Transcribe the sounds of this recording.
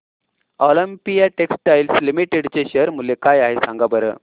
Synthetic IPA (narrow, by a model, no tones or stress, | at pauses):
ɔləmpijaʈeksʈʈajlslimiʈeɽt͡ɕeɕəɾmulekajaɦesãŋɡabəɾə̰